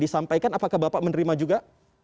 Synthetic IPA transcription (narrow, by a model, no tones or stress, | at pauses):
disampajkanapakahbapaʔmənəɾimad͡ʒuɡa